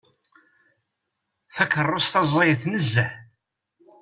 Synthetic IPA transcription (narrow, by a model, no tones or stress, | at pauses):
θækːərˤːosθɑzˤːɑjəθnəzːəħ